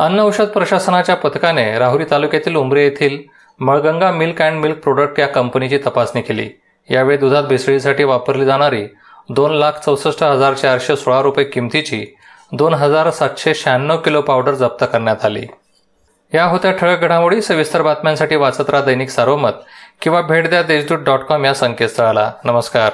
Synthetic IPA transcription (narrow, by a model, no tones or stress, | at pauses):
ənːəəwɕəd̪̚pɾəɕasənat͡ɕjapət̪ʰkaneɾaɦuɾiːt̪alukjat̪iːlumɾejet̪ʰiːl | məɭɡəŋɡamilkæ̃ɳɖmilk̚pɾoɖək̚ʈjakəmpənit͡ɕiːt̪əpasnikʰelḭː | jaʋeɭed̪ud̪ʱat̪̚bʱisɭisaʈiːʋapəɾliːd͡zaɽ̃aɾiː | d̪onlakʰt͡səwsɾəʂʈəɦəd͡zaɾt͡ɕeaɾɕəsoɭaɾupjekimt̪it͡ɕiː | d̪onɦəd͡zaɾsat̪ɕeɕaanːəʋkilopawɖəɾd͡zəp̚t̪əkəɾɳjat̪ʰalḭː | jaɦot̪jaʈʰəɭəɡʱəɽãmuɽiːsəʋist̪ʰəɾbat̪mjansaʈiːʋat͡sət̪ɾad̪əjniːksaɾʋəmət̪̚kĩw̃ʋabʱeɽd̪jad̪eɕd̪uːʈ̚ɖɔʈkɔmjasəŋket̪səɭala̰nəməskaɾ